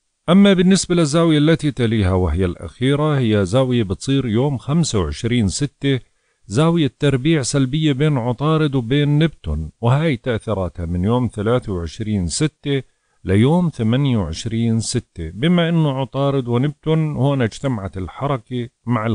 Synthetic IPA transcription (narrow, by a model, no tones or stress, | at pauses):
ʔamːabɪnːɪsbalɪzːaːwɪjalːat̪it̪aliːhawɪɦɪjːalʔa̰xiːɾahɪjːazaːwɪjabɨt̪sˤiːɾjoːmxamsawʕɪʃɾiːnsɪt̪ːe | zaːwɪjat̪ːɑɾˤbiːʕsalbɪjːabeːnʕʊt̪ˤɑːɾɪd̪wbeːnːɪbt̪ʊnwɪhaːjt̪aʔθiɾˤɑːt̪hamɪnjoːmθalaːθawʕɪʃɾiːnsɪt̪ːɪ | lɪjoːmθamanjawʕɪʃɾiːnsɪt̪ːɪbɪmaʔɪnːʊʕʊt̪ˤɑːɾɪd̪wɪnɪb̚t̪ʊnhoːnad͡ʒt̪amaʕat̪ɪlħɑɾˤɑkimaʕɪ